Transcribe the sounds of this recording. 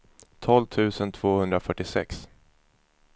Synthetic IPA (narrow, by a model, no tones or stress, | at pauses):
t̪ʰɔlvt̪ʰʉ̟ːsənt̪ʰvoːhɵnd̪ɾafœʈːɪsɛ̰ks